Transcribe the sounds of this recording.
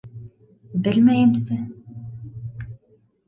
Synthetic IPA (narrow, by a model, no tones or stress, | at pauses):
bɘlʲmæjɘmsɘ